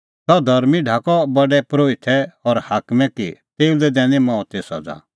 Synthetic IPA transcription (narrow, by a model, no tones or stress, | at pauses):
t̪ɔd̪ʱɐɾmiɖʱaːkɔbɐɖɛpɾoːɪt̪ʰɛɔɾhaːkmɛkit̪eːld̪ɛd̪ɛ̃ːnimɔ̃ːt̪esɔ̰d͡za̰ː